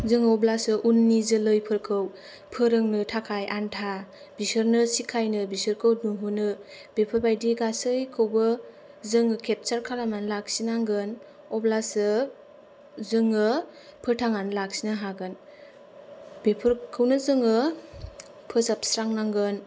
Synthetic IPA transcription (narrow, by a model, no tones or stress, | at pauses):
zɯŋɯɔblasɯʔunːizɯlɯjpʰɯɾkʰɯw | pʰɯɾɯŋnɯtʰakʰajʔantʰa | bisəɾnɯsikʰajnɯbisɯɾkʰɯwduŋɦunɯ | b̥epʰɯɾbajdiɡasɯjkʰɯwbɯ | zɯŋɯkʰep̚t͡ʃaɾkʰalamanlak̚sinaŋɡɯn | ɔblasɯ | zɯŋɯ | pʰɯtʰaŋanlak̚sinaɦaɡɯn | bepʰɯɾkʰɯwnɯzɯŋɯ | pʰɯzap̚sɾaŋnaŋɡɯn